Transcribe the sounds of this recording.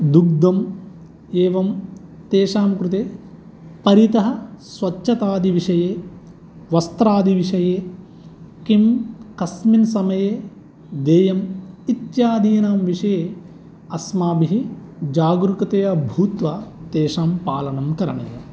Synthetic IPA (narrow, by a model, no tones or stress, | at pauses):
d̪uɡ̚d̪ɐm | eːʋɐmt̪eːʂaːmkɾut̪eː | pɐɾit̪ɐɦɐsʋɐtːʃʰɐt̪aːd̪ʱiʋiʂɐjeː | ʋɐst̪ɾaːd̪iʋiʂɐjeː | kimkɐsminsɐmɐjeː | d̪eːjɐmit̪jaːd̪iːnaːmʋiʂɐjeː | ɐsmaːbiɦid͡ʒaːɡɾukɐt̪ejɐbʱuːt̪ʋat̪eːʂaːmpaːlɐnɐmkɐɾɐ̰ɳɐ̰jɐ̰